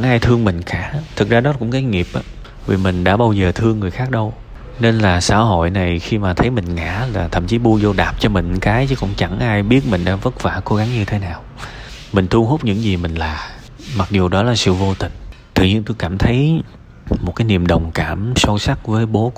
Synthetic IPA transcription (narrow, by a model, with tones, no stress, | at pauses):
t͡ɕŋʔaː˧jt̪ʰɨ˧əŋmï˨˩ŋ̟kaː˧˩˨t̪ʰɨ˨˩k̚zaː˧ɗɔ˨˦kʊ̰˧˥ŋ͡mkaː˨˦jŋi˨˩əp̚ʔaː˨˦ | vi˨˩mï˨˩ŋ̟ɗa̰ː˧˥ɓaː˧wzəː˨˩t̪ʰɨ˧əŋːɨ˨˩əjxaː˦˥k̚ɗə˧w | ne˧nlaː˨˩sa̰ː˧˥ɦo̰˧˨jna˨˩jxi˧maː˨˩t̪ʰə˨˦jmï˨˩ŋ̟ŋa̰ː˧˥laː˨˩t̪ʰə̰˧˥mt͡ɕi˨˦ɓu˧əzo˧ɗaː˨˩p̚t͡ɕɔ˧mï˨˩ŋ̟kaː˨˦jt͡ɕɨ˨˦kʊ̰˧˥wŋ͡mt͡ɕa˧˩ŋʔaː˧jɓi˦˥ət̚mï˨˩ŋ̟ɗa̰ː˧ŋvə˦˥t̚faː˧˩ko˨˦ɣa˨˦ŋɲɨ˧t̪ʰe˨˦naː˨˩wmï˨˩ŋ̟t̪ʰu˧əŋɦo˦˥k͡p̚ɲɨ̰˧˥ŋzi˨˩mï˨˩ŋ̟laː˨˩ | ma˨˩k̚zu˨˩ɗɔ˨˦laː˨˩sɨ̰˧˨vo˧t̪ï˨˩ŋ̟t̪ɨ̰˧˨ɲi˧ənt̪o˧jkaː˧˩mt̪ʰə˨˦j | mo˨˩t̚kaː˨˦jni˨˩əmɗə˨˩wŋ͡mkaː˧˩mso˧wsa˦˥k̚vəː˨˦jɓo˨˦